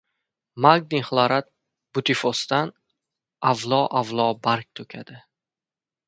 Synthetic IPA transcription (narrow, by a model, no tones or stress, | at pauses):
maɡ̚d̪iŋχlˠaɾat̪̚ | b̥ʊt̪ʰifost̪an | avlˠɒʔavlˠɒbaɾk̚ʲt̪ʰɵkʲʰad̪̥ɪ